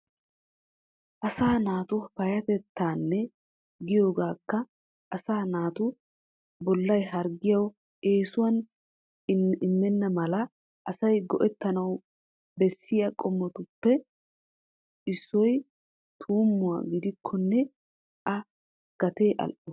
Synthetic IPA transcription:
ʔɐsaːnaːt̪ʊpɐjɐt̪ɛt̪ːaːnːɛ | ɡɪjo̞ːɡaːkːɐ | ʔːsaːnaːt̪ʊ | bɔlːɐjɦɐɾɡɪjɐw | ʔe̞ːsʊwɐn | ɪmːɛnːɐmɐlɐ | ʔɐsɐjɡɔʔɛt̪ːɐnɐw | bɛsːɪjɐkʼɔmːɔt̪ʊpːɛ | ʔɪsːɔj | t̪ʰuːmːʊwa̰ɡɪd̪ɪkʰːɔnːɛ | ʔɐ | ɡ̥ɐt̪eːʔɐ̰lʔɔ

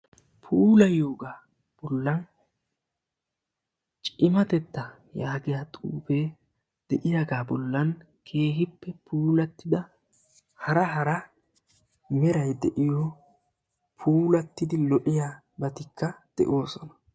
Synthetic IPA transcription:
pʰuːlɐjo̞ːɡaː | b̥ɔlːɐn | t͡ʃʼɪmɐt̪ɛt̪ːɐ | jaːɡɪjaːt̪ʼṵːfe̞ː | d̪̥ɛʔɪjaɡaːbɔlːɐn | kʰe̞ːɦɪpːɛpʰuːlɐt̪ːɪd̪ɐ | hɐɾɐɦɐɾɐ | mɛɾɐjd̪ɛʔɪjo | pʰuːlɐt̪ːɪd̪ɪlɔʔɪja | bɐt̪ɪkːɐd̪̥ɛ̰ʔoːsɔnɐ̥

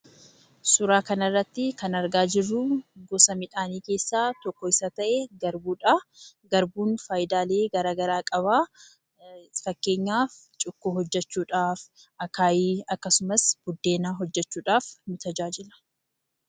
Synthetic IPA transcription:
sʊɾaːkɐnɐrːɐt̪ːɪkɐnɐɾɡaːd͡ʒɪrːʊɡɔsɐmɪᶑaːniːke̞ːsːaːt̪ɔkːɔɪsɐt̪ɐʔeɡɐɾbuːᶑa | ɡɐɾbuːnfaːjɪd̪aːle̞ːɡɐɾaːɡɐɾaːkʼɐβaː | fɐkːe̞ːɲːaːf | t͡ʃʼʊkːoːhɔd͡ʒːɛt͡ʃːuːᶑaːfʔɐkaːjiːɐkːɐsʊmɐsb̥ʊd̪ːe̞ːnaːɦɔd͡ʒːɛt͡ʃːuːᶑaːfnʊt̪ɐd͡ʒaːd͡ʒɪlɐ̥

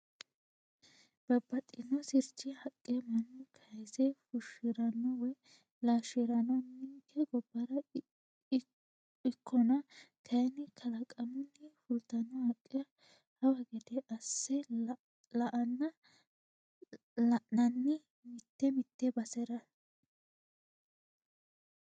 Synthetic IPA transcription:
b̥ɐbːɐt̪ʼːɪnɔsɪɾt͡ʃːɪhɐkʼːɛmɐnːʊkʰɐjsɛfʊʃɪɾɐnːɔwɛ | laːʃɪɾɐnɔnːɪŋkʰːɛɡɔbːɐɾɐ | ɪkʰːɔnɐkʰɐjnɪkʰɐlɐkʼɐmɪnːɪfʊlt̪ɐnɐhɐkʼːɛ | hɐwɐɡɛd̪ɛʔɐsːɛ | lɐʔɐnːɐ | lɐʔnɐnːɪ | mɪt̪ːɛmɪt̪ːɛbɐsɛɾɐ

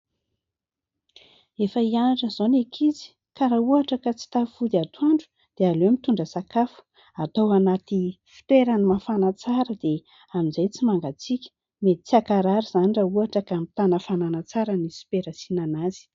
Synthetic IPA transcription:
efəianaʈ͡ʂəz̥onekʰizi̥ | kaɾauaʈ͡ʂəkat͡si̥t̪afud̪iat̪ʰuaɳɖ͡ʐu̥ | d̪̥ealemit̪uɳɖ͡ʐəsakafu̥ | at̪owanat̪i | fi̥t̪weɾanimafanat͡saɾəd̪e | aminzajt͡simaŋɡat͡sikʲə̥ | met̪t͡siakaɾaɾiz̥anirauaʈ͡ʂəkamit̪anəfananat͡saɾənisi̥peɾasinanazi̥

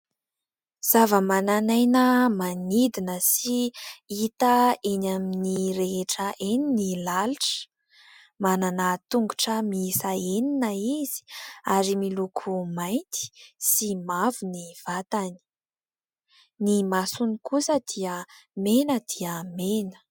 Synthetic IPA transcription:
z̥avəmananajnəmanid̪inəsiit̪əenaminiɾeɦeʈ͡ʂəʔeninilaluʈ͡ʂə̥ | mananat̪uŋɡuʈ͡ʂəmisaeninəizi̥aɾimilukʰumajnt̪i̥simavuniv̥at̪ani̥ | nimasunikusəd̪̥iəmenəd̪̥iəmenə̥

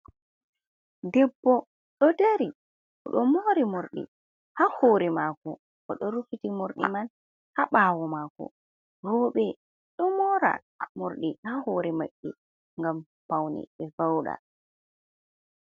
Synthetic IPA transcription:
dɛbːɔ | ɗɔdeɾi | ɔ̰ɗɔmoɾimoɾɗḭ | hahoːɾɛmaːkɔ | kɔɗɔɾufitimoɾɗḭman | haɓaːwɔmaːkɔ̰ | ɾɔːɓɛ | ɗɔmɔɾa̰ | moɾɗihahoːɾɛma̰ʔːɛ | ŋɡam | pawnɛ̰ɓɛvawɗa̰

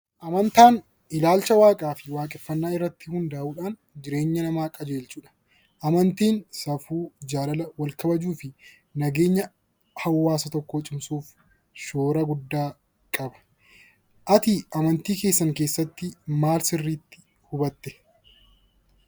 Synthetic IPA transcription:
ʔɐmɐnt̪aːn | ɪlaːlt͡ʃɐwaːkʼaːfɪwaːkʼɛfːɐnːaːɪrːɐt̪ːɪhʊnd̪ɐaːʔuːᶑaːn | d͡ʒɪɾe̞ːɲːɐnɐmaːkʼɐd͡ʒe̞ːlt͡ʃuːᶑɐ̥ | ʔɐmɐnt̪iːnsɐfuːd͡ʒaːlɐlɐwɐlkɐbɐd͡ʒuːfɪ | nɐɡe̞ːɲːɐ | hɐwːaːsɐt̪ɔkːoːt͡ʃʼɪmsuːf | ʃoːɾɐɡʊd̪ːaː | kʼɐbɐ̥ | ʔɐt̪ɪʔɐmɐnt̪iːke̞ːsːɐŋke̞ːsːɐt̪ːɪmaːlsɪrːiːt̪ːɪ̥ | hʊbɐt̪ːɛ̥

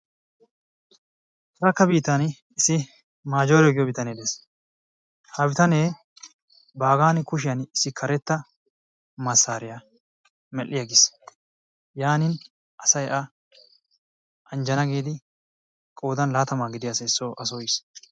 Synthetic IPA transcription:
ɐɾɐkːɐbiːt̪ːɐn | ɪsɪ | maːd͡ʒo̞ːɾɛɡɪjɔbɪt̪ɐneːd̪eːs | hɐbɪt̪ɐneː | baːɡaːnɪkʊʃɪjɐnɪsɪkʰɐɾɛt̪ːɐ | mɐsːaːɾɪjɐ | mɛlːɪjaɡɪs | jaːnɪn | ʔɐsɐjʔɐ | ɐnd͡ʒɐnɐɡiːd̪ɪ | kʼo̞ːd̪ɐnlaːt̪ɐmaːɡɪd̪ɪjasɛsːoːʔɐs̬ojɪs

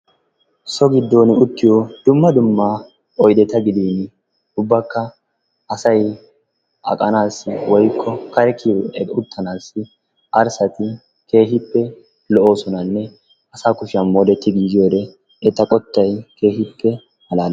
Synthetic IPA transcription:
sɔɡɪd̪ːoːnɪʊt̪ːɪjod̪̥ʊmːɐd̪ʊmːa | ɔjd̪ɛt̪ːɐɡɪd̪iːn | ʊbːɐkːɐ | ɐsɐj | ʔɐ̰kʼɐnaːsːɪwɔjkʰːɔkɐɾɛkiɛʊt̪ːɐnaːsːɪ | ʔɐɾsɐt̪ɪ | ke̞ːɦɪpːɛ | lɔʔo̞ːsɔnɐnːɛ | ɐsaːkʊʃɐnmoːd̪ɛt̪ːɪɡiːd͡ʒɪjoːd̪ɛ | ɛt̪ːɐkʼɔt̪ːɐjke̞ːɦɪpːɛ | hɐlaːl

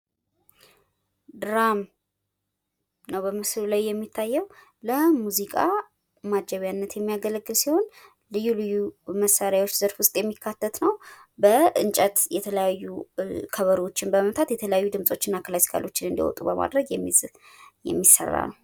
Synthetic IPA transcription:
d̪ɾam | nəwbəmɨslulajːɛmːit̪ʰːajːɛw | ləmuzikʼa | mad͡ʒəβjanːət̪jɛmːijaɡələɡːɨlsiho̞n | lɨjːulɨjːuməsːaɾjawo̞t͡ʃːz̥əɾfwʊst̪ʼjɛmːikʰːat̪ʰːət̪nəwbəʔɨnt͡ʃʼət̪jɛt̪ʰələjajːukʰəβəɾwo̞t͡ʃːɪnbəməmt̪ʰat̪jɛt̪ʰələjajːud̪ɨmsʼo̞t͡ʃːɪnːakʰəlasi̥kʰa̰lo̞t͡ʃːɪnɨnd̪ḭwɔ̰t̪ʼubəmʔa̰d̪ɾəɡɛm | jɛ̰mːisːə̰rːa̰nəw

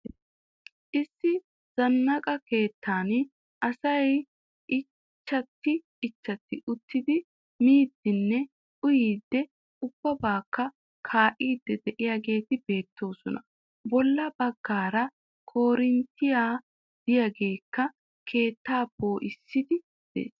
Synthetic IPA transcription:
ʔɪsːɪ | z̥ɐnːɐkʼɐke̞ːt̪ːaːn | ʔɐsɐj | ʔɪ | t͡ʃːɐt̪ːɪː | t͡ʃːɐt̪ːɪʔʊt̪ːɪd̪ɪ | miːd̪ːɪnːɛ | ʔʊjiːd̪ːɛ | ʊb̥ːɐbaːkːɐ | kʰaːʔiːd̪ːɛd̪ɛʔɪjaɡe̞ːt̪ɪbe̞ːt̪ːo̞ːsɔnɐ | bɔlːɐbɐɡːaːɾɐ | kʰo̞ːɾɪnt̪ːɪjaː | d̪̥ɪjaɡe̞ːkːɐ | kʰe̞ːt̪ːaːboːʔɪsːɪd̪ɪ | d̪̥ḛːs

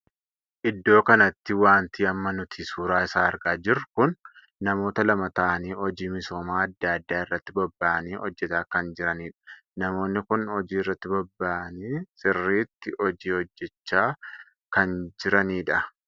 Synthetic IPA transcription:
ʔɪd̪ːo̞ːkɐnɐt̪ːɪwaːnt̪iːɐmːɐnʊt̪ʰiːsuːɾaːɪsaːɐɾɡaːd͡ʒɪrkʊnː | ɐmo̞ːt̪ɐlɐmɐt̪ɐʔɐniːɔd͡ʒiːmɪso̞ːmaːɐd̪ːaːɐd̪ːaːɪrːɐt̪ːɪbɐbːaːʔɐniːhɔd͡ʒːɛt̪aːkɐnd͡ʒɪɾɐniːᶑɐ̥nɐmo̞ːnːɪkʊnhɔd͡ʒiːɪrːɐt̪ːɪbɐbːaːʔniːsɪrːiːt̪ːɪɔd͡ʒiːhɔd͡ʒːɛt͡ʃːaː | kɐnd͡ʒɪɾɐniːᶑɐ

